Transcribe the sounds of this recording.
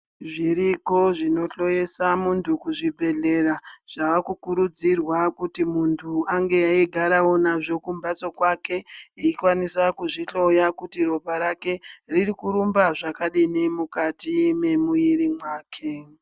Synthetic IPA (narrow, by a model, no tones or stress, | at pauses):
ʐiɾiko̞ʐino̞ɬo̞je̞samuntʰukuʐibʱe̞ɮe̞ɾaʐ̥aʋakukuɾud͡zirwakutimuntʰuaŋɡe̞aiɡʱaɾao̞naʐo̞kumbat͡so̞kwake̞iikwanisakuʐiɬo̞jakutiro̞paɾake̞ririkuɾumbaʐakaɗinemukatime̞mujiɾimwaːkʰe̞